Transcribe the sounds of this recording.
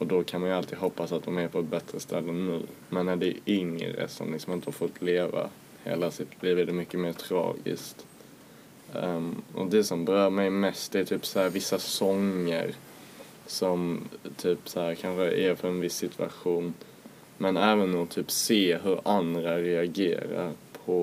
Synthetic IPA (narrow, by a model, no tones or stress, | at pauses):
ʔɔd̪ɔkʰanmanjalt̪ʰiːd̪ɦhɔpːasat̪̚d̪ɔmæɾpʰɔɛt̪̚bɛt̪ɾəst̪ʰɛlːənʉ̟ː | mɛnːæɖ̪ɛɪŋɾə̰sɔ̰mlɪksɔmɪnt̪əhaɾfɔt̪ʰːleːva̰ | hḛːlasɪt̪ʰliːvɛd̪ɛmʏkːəmeːt̪ʰɾɑ̰ːɡɪ̰skt̪ | ɔ̰d̪ɛsɔmbɛɾœːɾmɛjmɛst̪̚d̪ɛæt̪ʰyːpsahæːɾvɪsːasɔŋə̰ɾ | sɔmt̪ʰyːpshæːɾkʰanɧəʔæɾfœɾɛnvɪsːɪt̪ʰʉa̰ɧuːn | mɛnɛːvənɔt̪ʰyːpseːɦɵɾand̪ɾaɾɛaɡḛːɾa̰ɾpʰɔ